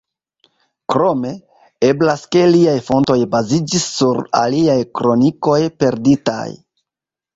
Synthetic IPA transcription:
kɾo̞me̞ | e̞blaske̞liajfo̞nto̞jbazid͡ʒisːuɾa̰liajkɾo̞niko̞jpe̞ɾdita̰j

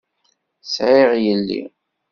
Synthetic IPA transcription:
sʕɪʁjəlːḭ

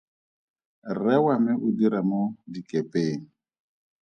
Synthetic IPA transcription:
rɛwamɪʔʊdiɾamodikʼepʼeːŋ̩

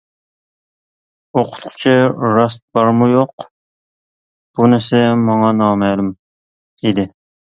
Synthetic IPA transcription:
oqʰʊ̥t̪ʰqʊ̥t͡ʃʰiɾɑs̬t̪̚b̥ɑɾmujoq | b̥unæɾsɛmɑŋɑnɑːmɛːlum | id̪ɪ

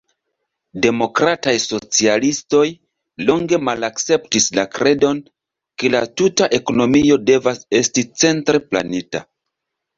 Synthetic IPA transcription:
de̞mo̞kɾatajso̞t͡sialisto̞j | lo̞ŋɡe̞malakt͡se̞ptislakɾe̞do̞n | ke̞latutaʔe̞ko̞no̞mio̞de̞vase̞stit͡se̞ntɾe̞pla̰nita̰

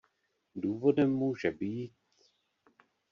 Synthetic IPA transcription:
duːvo̞dɛmːuːʒɛbiːt̪

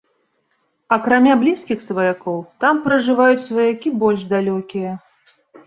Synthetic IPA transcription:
ɐkɾamʲablʲiskʲixsvɐjakɔwt̪ampɾɐʐɨvajut͡sʲsvɐjakʲibɔlʲʐd̪alʲɔkʲijɐ

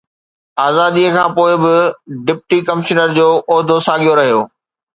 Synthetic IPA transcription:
aːzaːd̪iəkʰãːpoːɪbɪɖɪp̚ʈikɐmɪʃənəɾd͡ʑoːʔɔːd̪ʱosãːɠijoɾɐɦijoː

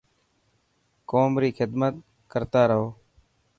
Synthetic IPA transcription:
koːmɾiːxʰɪd̪mət̪̚ | kəɾt̪aːɾəɦoː

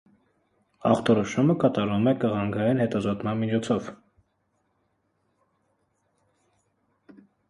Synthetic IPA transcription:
ɑ̰χt̪ɔɾɔʃuməkɑt̪ɑɾumɛkəʁɑŋɡɑjinhɛt̪ɑzɔt̪mɑnmit͡ʃʰɔt͡sʰɔv

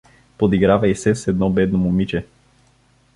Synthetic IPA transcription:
pod̪iɡɾavɐjsɛsɛd̪̚nɔbɛd̪nomumit͡ʃɛ

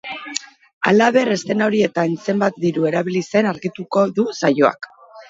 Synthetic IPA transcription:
a̰laβ̞e̞re̞st̪e̞naoɾie̞t̪anse̞mbat̪̚d̪iɾue̞ɾaβilise̞naɾɣit̪uko̞ðusajo̞a̰k

